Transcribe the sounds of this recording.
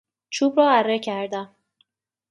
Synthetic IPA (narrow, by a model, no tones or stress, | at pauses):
t͡ʃʰuːbɾɒːærːecʰæɾd̪æm